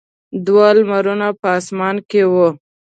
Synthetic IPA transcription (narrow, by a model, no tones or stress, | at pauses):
d̪wɑlmaɾunapəːsmɑnkewu